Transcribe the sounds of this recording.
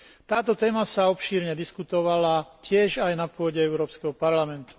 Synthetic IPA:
t̪aːt̪ɔt̪ɛːmasaɔpʃiːɾɲɛd̪iskut̪ɔʋalacɪɛʒajnapʊɔɟɛɛʊɾɔːpskɛɦɔpaɾlamɛnt̪u̥

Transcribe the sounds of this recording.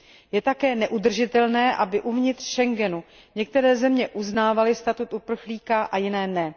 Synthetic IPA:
jɛt̪akɛːnɛʔud̪r̩ʒɪt̪ɛlnɛːʔabɪʔuvɲɪt̪r̥ʃɛŋɡɛnu | ɲɛk̚t̪ɛɾɛːzɛmɲɛʔuznaːvalɪst̪at̪ut̪ʔupr̩xliːkaʔajɪnɛːnɛ

